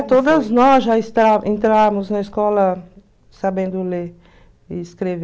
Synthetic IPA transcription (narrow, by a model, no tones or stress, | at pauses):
t̪oːd̪aznɔːʒaist̪ɾaint̪ɾamuznɛjskɔːla | sabẽnd̪ule | iskɾeʋ